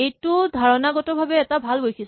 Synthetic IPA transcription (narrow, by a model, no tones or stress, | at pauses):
ejtʊdʱaɹɔnaɡɔtɔbʱabɛɛtabʱalɡojkʰis